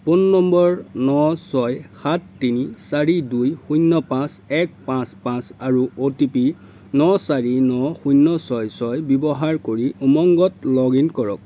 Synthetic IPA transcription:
punːɔmbɔɹnɔsɔjxatːinisaɹidujxujnːɔpãsɛk̚pãspãsaɹuotipi | nɔsaɹinɔxujnːɔsɔjsɔjbɔbɔɦaɹkoɹiʔumɔŋɡɔtlɔɡinkɔɹɔk̚

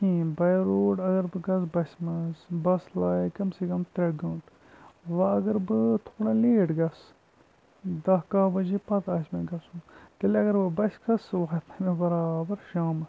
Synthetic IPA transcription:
kĩːbɐjɾoːʈɐɡɐɾbɨɡɐsbɐsʲmɐsbɐslaːikɐmsekɐmt̪ɾeɖ̚ɡɐ̃ːɳʈ | ʋɐɐɡɐɾbɨt̪ʰoːɽɐ̃ːleːʈɡɐs | d̪ɐɦkaːbɐd͡ʒipɐt̪aːsmɐ̃ːɡɐsũt̪ɐlɐɡɐɾbɨbɐsʲkɐsʋaːt̪mɐmẽbɐɾaːbɐɾʃaːmɐs

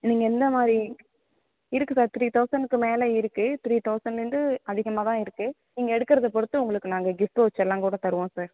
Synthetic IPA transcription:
niːŋɡɐɛnd̪ɐmaːd̪ɾi | ɪɾɯkːɯsaːɾt̪ɾiːt̪ɐʊsɐnɯkːɯmeːlɐɪɾɯkːɯt̪ɾiːt̪ɐʊsɐnɾɯnd̪ɯɐðɪɣɐmaːt̪ãːɪɾɯkːɯ | niːŋɡɐɛɽɯkːɪɾɐðɐpɔɽɯt̪ːɯʊŋɡɐɭɯkːɯnaːŋɡɐɡɪfʈoːɐt͡ʃːɛlːãːkuːɽɐt̪ɐɾɯʋõːsaːɾ

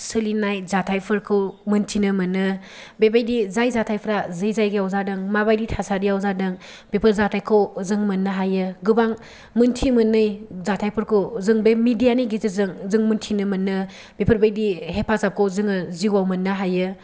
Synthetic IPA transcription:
sɯlinajzatʰajpʰɯɾkʰɯwmɯntʰinɯmɐnːɯ | bebajdizajzatʰajpʰɾazɯjzajɡijawzadɯŋmabajditʰasadiawzadɯŋ | b̥epʰɯɾzatʰajkʰowzɯŋmɐnːɯɦajɯɡɯbaŋ | mɯntʰimɯnːɯjzatʰajpʰɯɾkʰɯwzɯŋbemidijaniɡizizɯŋzɯŋmuntʰinɯmɐnːɯ | b̥epʰɯɾbajdihepʰazap̚kʰowzɯŋɯziuwawmɐnːaɦajɯ

